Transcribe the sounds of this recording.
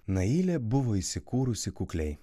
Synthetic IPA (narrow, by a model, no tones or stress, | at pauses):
nɐilʲɛbʊʋɔisʲɪkuɾʊsʲikʊklʲɛj